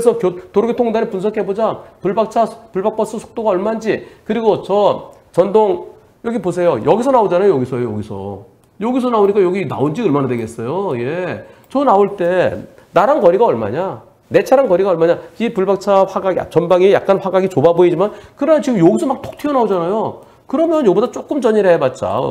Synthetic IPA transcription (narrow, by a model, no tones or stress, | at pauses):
ɾesʰʌkjotoɾoɡetʰoŋdanepunsʰʌkʰe̞bod͡ʑapuɭbak̚t͡ɕʰapuɭbak̚p͈ʌs͈ɯsʰo̥k̚t͈oɡaʌɭmand͡ʑikɯɾiɡot͡ɕʌ | t͡ɕʌndoŋ | jʌɡipos̬ʰe̞jojʌɡisʰʌnaod͡ʑanajojʌɡisʰʌjojoɡisʰʌ̰ | jʌɡis̬ʰʌnaoɲik͈ajʌɡina̰ond͡ʑiɯɭmanadwe̞ɡe̞s͈ʌjojet͡ɕʌnaoɭt͈e̞ | naɾankʌɾiɡaʌɭma̰ɲa | ne̞t͡ɕʰaɾankʌɾiɡaʌɭmaɲaipuɭbak̚t͡ɕʰaɸwaɡaɡa̰t͡ɕʌnbaŋijak̚k͈anɸwaɡaɡit͡ɕobaboid͡ʑimankɯɾʌnʌnt͡ɕiɡɯmjʌɡisʰʌmak̚t͈o̥k̚tʰeʌnaod͡ʑanajo | kɯɾʌmjʌnjobodat͡ɕ͈ok͈ɯmt͡ɕʌɲiɾɦejabat̚t͡ɕ͈a̰